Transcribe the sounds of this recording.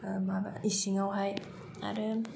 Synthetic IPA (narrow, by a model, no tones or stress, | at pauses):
mabaisiŋawɦaj | a̰ɾɯ